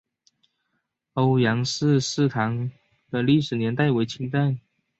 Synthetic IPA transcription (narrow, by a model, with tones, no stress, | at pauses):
o˧˥ʊjɑ˧˥ŋʂɻ̩˥˧ʂɻ̩˥˩t̪ʰɑ˧˥ŋ | d̪ə˧li˥˩ʂɻ̩˨˩njɛ˧˥nt̪a˥˩ɪwe˧˥ɪt͡ɕʰi˧˥ŋt̪a˥˩n